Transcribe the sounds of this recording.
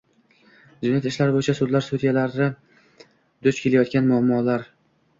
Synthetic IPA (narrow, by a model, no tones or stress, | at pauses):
d͡ʒʊnjat̪ɪʃlaɾbojɪt͡ʃʰasʊd̪laɾsud̪jalaɾnɪ | d̪̥ɵt͡ʃkʰʲe̞lajɒt̪̚kʲanmʊamːɒlaɾ